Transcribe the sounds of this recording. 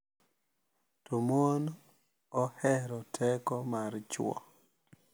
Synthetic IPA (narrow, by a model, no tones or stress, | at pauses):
tomon | ɔhɛɾɔtʰɛkɔmart͡ʃw̰ɔ̰